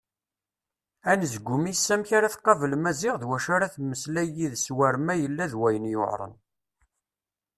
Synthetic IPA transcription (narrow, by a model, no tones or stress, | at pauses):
ænəzɡʷːʊmisːæmçaɾaθqːɑvəlmæzɪʁðwæʃaɾaθmːəslæjiðswæɾmæjəlːæðwæjənjo̰ʕɾˤə̰n